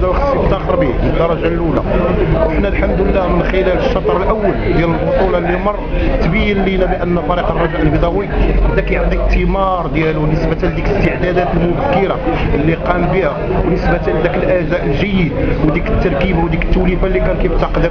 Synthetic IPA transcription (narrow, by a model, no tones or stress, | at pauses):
d̪æwxɑsːifət̪ːænxəɾˤbiməd̪ɑɾˤɑʒalʔula̰wəħnælħamd̪əlːæmənxəlæləʃːɑt̪ˤɾˤəlʔæwːəld̪jæləlbʊt̪ˤulɑlːimɑrˤːt̪bijːənlinæbiʔənːæfɑɾiqərˤːɑbʕəlbid̪ˤɑwijhəd̪ækæjʕt̪ˤikt̪ːəmɑɾˤd̪jælunəsbæt̪æld̪ikləst̪əʕd̪æd̪æt̪əlmʊbəkːəɾaəlːiqɑmbihæ | wnəsbæt̪æd̪ækəlʔæzæʔəlʒəjːəd̪wd̪ikə̥t̪ːɑɾˤkibwd̪ikə̥t̪ːulifalːikænkæjbt̪ːɑqd̪ə